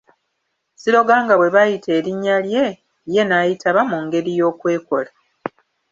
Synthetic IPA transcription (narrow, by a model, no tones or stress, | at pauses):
siɾo̞ɡaːŋɡaβwe̞βajitʰe̞ːɾiɲːalje̞ | je̞naːjitʰaβamuŋɡe̞ɾijo̞ːkwe̞ːko̞la